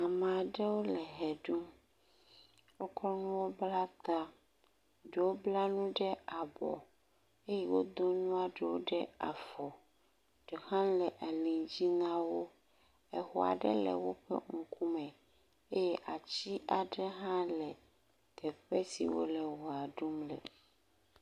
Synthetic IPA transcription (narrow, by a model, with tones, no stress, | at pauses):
a˨mẽ˨a˨ɖɛ˦wo˦lɛ˨ɦɛ˨ɖu˦ | wo˦kɾɔ˦nũ˦wo˦bla˦t̪a˦ | ɖe˨wo˦bla˦nũ˦ɖɛ˦a˨bɔ̰˨ | e˦jɛ˦wo˦d̪o˦nũ˦a˨ɖɛ˨wo˦ɖɛ˦a̰˨fɔ˨ | ɖ̥e˨hã˦lɛ˨ʔa˨lĩ˨d͡ʑi˦nã˦wo˦ | ɛ˨xɔ˨a̰˨ɖɛ̰˦lɛ̰˨wo˦ɸɛ̰˦ŋ̩˨ku˦mɛ̃˨ | e˦jɛ˦ʔa˨t͡ɕi˦ʔa˨ɖɛ˦ɦã˦lɛ˨ | t̪ɛ˨ɸɛ˦sḭ˨wo̰˦lɛ˨wɔ˨a˨ɖu˦mlɛ̰˨